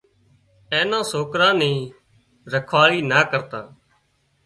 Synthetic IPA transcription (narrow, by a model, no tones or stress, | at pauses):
ẽːnãːsoːkɾãːnĩː | ɾəkʰʋaːɭiːnaːkəɾt̪aː